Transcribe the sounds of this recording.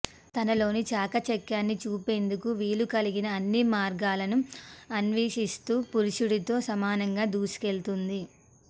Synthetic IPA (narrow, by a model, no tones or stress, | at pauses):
t̪ɐnɐlo̞ːnit͡ʃaːkɐt͡ʃɛkːjaːnːit͡ʃuːpe̞ːnd̪ukuʋiːlukɐliɡinɐːnːimaːɾɡaːlɐnuɐnʋeːʂist̪uːpuɾiʂuɽit̪o̞ːsɐmaːnɐŋɡaːd̪uːsi̥ke̞lt̪und̪i